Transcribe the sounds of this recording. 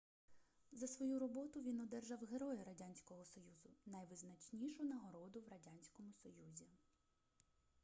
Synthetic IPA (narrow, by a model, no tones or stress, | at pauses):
zɐsʋɔjuɾɔbɔt̪ʊʋʲinɔd̪ɛrʒɑwɦeɾɔjɛɾɐdʲanʲsʲkɔɦɔsɔjuzʊnɐjʋɪznɐt͡ʃnʲiʃʊnɐɦɔɾɔd̪ʊwrɐdʲanʲsʲkɔmʊsɔjuzʲi